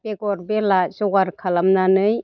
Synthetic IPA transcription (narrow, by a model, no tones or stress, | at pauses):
beɡɔɾbelasɔɡaɾkʰalamnanɯj